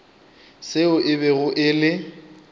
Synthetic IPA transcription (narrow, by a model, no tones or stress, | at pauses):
sɪʊʔɪβɛɣʊʔɪlɪ